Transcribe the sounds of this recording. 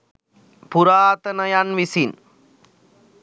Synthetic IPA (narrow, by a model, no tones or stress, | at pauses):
pʊɾaːt̪ɐnɐjanʋisin